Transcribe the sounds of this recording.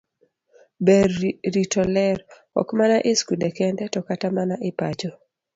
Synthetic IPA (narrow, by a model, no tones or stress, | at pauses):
bɛrɾitɔlɛr | ɔ̰kmanaʔɪskudekɛndɛtɔkatamanaʔɪpat͡ʃɔ